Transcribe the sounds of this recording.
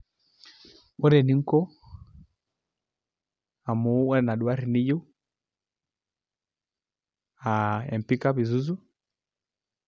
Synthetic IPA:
ɔ˦ɾɛ˨ni˨˦ŋ̩˦kɔ˦ | a˨mu˨˦wɛ˦na˨ɗu˨a˦ɾi˨ni˦ju˦ | a˨ɛ̰˨m˨pi˦ka˦βi˨zu˦zu˦

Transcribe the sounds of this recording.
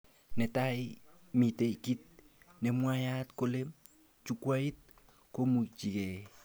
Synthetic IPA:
nɛ˨tai | mi˨te˨iki˦t̚ | nɛ˨mwaja˦tkole˦m | t͡ʃu˦kwai˦t̚ | ko˦mu˨t͡ʃi˨kɛ˨

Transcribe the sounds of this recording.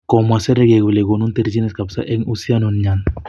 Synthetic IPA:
kɔ˨ma˨se˦ɾe˦ɡe˨ɡu˨le˨ɡo˨nu˦nt̪e˦ɾd͡ʒi˦ne˦ska˨bsa̰˦ʔe˦ŋu˦si˦a˦no˨nɲa˨n

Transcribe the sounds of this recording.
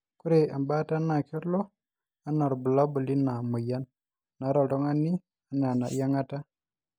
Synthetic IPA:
ku˦ɾe˨a˨mba˦ta˦na˨ke˦ɾlo˦ | a˦na˨ɾbu˨la˦bu˨li˦na˨mu˨ja˦nː | a˨˦ɾa˨do˦ŋa˦nːi˦ | a˨na˨na̰˨ja˦ŋa˦ta˦

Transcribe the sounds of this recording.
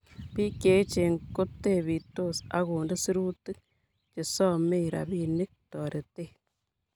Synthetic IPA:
pi˦ke˨˦t͡ʃe˨ŋko˦te˦˨bi˨to˦sa̰˦ɣo˨nde˦si˦ɾu˦tɨ˦k̚ | t͡ʃe˨sɔ˦˨me˦˨ɾa̰˨bi˦˨ni˦k̚tɔ˨ɾe˨te˦˨

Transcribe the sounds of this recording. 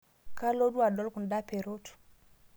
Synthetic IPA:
ka˦lo˦du˦a˨dɔ˦lku˨nda˦pe˨ɾo˦tu̥˨

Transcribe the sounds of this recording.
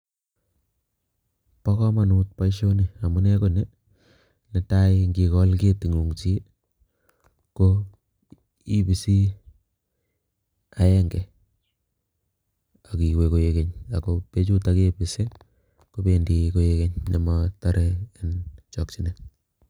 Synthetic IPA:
pa˦kɔ˦ma˨nu˦t̚pa˦iʃo˦ni˨a˨mu˦ne˦ko˨ne˦ | ne˨ta˦iŋɡi˨kɔ˦lke˦ti˨ŋu˨ŋt͡ʃi˦ | ko | i˦pi˨si˦ | a˦ɛ˦ŋɡɛ˨ | a˨ki˨we˨ko˨je˦ke˨ɲa˨kope˦t͡ʃu˦ta˦ke˦pɪ˨se˦ | ko˦pe˨ndiko˦je˦ke˦ɲne˨mata˦ɾeː˦nt͡ʃɔ˨k̚t͡ʃi˦ne˨

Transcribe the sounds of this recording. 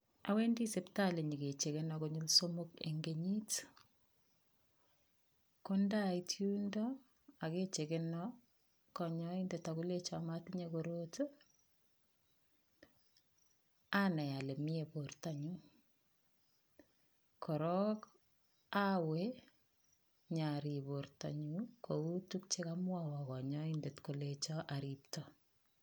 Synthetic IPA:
a̰˨we˦ndi˦se˦pta˦le˨ɲi˨ke˨t͡ʃe˨ke˦nɔkoɲu˦lso˦mokḛ˨ŋɡe˨ɲi˦t | konda˦jtʰjundɔ˦ | a˨ke˦t͡ʃe˨ke˦nɔ | kɔɲɔ˦indɛ˨taku˦le˦t͡ʃama˦tɪɲekoɾot | a˦nɛ˨ja˨le˨mi˦e˨porta˨ɲu | kʰɔ˨ɾɔ˦k | a˦we | ɲa˨ɾi˨po˨rta̰˨ɲu˦koku˦tu˦k̚t͡ʃe˦ka˦mwawɔ˨kɔ˨ɲɔ˦inde˨tko˨let͡ʃɔ˦ʔa˨ɾiptɔ

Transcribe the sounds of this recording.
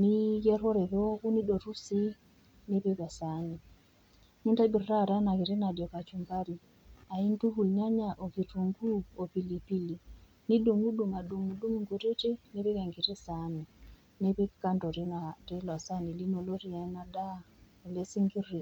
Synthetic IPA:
ni˦ɡɛ˦ɾo˦ɾe˨ðo˦ku˦ni˦do˨ɾu˦si˦ | ne˦pi˦ka˨sa˨ni˨ | ni˦nta˦bi˨rra˦˨ɾa˦na˨ki˨ɾe˦na˨djɔ˨ka˨t͡ʃu˨mba˦ɾi˨ | a˨i˦ntu˦ɦu˨lɲa˦ɲa˨ʔo˨ki˨tu˨ŋɡu˦o˨pi˨li˨pi˦li˨ | ni˦du˨ŋɡu˦du˨ŋa˨du˨ŋu˨du˦ŋi˨ŋɡo˨ɾe˦te˦ne˦pi˦ka˨ŋɡi˨te˦sa˨˦ni˨ | ne˦pi˦ka˦ndo˨ɾi˦na˨ti˦la˨sa˦ni˨li˦no˨lo˦ɾi˨a˨i˦na˦da˦ | e˨le˦si˦ŋɡi˦rːi˨

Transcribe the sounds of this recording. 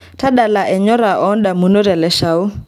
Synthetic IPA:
ta˦ɗa˨la˨ʔɛ˨ɲɔ˦ɾa˨ʔɔ˦nɗa˨mu˨no˦ɾɛ˨lɛ˨˦ʃa˨u˦

